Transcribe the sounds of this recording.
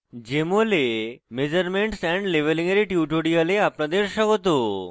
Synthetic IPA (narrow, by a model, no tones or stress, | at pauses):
d͡ʒemolemed͡ʒəɾmeɳʈsɛɳɖleʋeliŋeɾiʈjuʈoɽijaleapnãd̪eɾʃəkot̪̬o